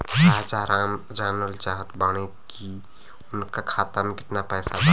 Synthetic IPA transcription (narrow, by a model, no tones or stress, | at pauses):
ad͡ʒaɾam | d͡ʒanəlt͡ʃaɦət̪bəɽ̃e | ki | ʊnkakʰat̪amekɪt̪napəjsa